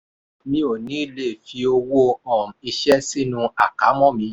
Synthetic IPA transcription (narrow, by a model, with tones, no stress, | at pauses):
mĩ˧˦o˨nĩ˨˦le˦˨fi˧o˧wu˦o˧ɔ̃˦˨m̩˨i˧ʃɛ˦si˦nũ˧a˦˨ka˨˦mɔ̃˦˨mĩ˨˧˦